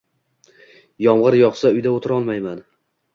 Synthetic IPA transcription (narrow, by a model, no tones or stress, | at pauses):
jɒmʁɨɾjɒqsaʊjd̪aot̪ʰɪɾɒlˠmajman